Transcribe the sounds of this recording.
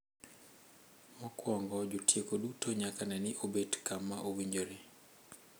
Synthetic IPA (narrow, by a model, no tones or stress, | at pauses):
mɔkwɔŋɡɔd͡ʒotjekodutoɲakanɛnɪʔobedkamːaʔowiɲd͡ʒoɾe